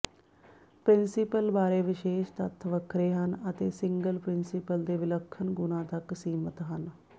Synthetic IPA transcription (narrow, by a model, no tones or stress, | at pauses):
pɾɪnsɪpəlbaːɾeːʋɪʃeːʃt̪ət̪ʰːʋəkʰɾeːɦənət̪eːsɪŋɡəlpɾɪnsɪpəld̪eːʋɪləkʰːənɡʊnãːt̪əksiːmət̪ɦən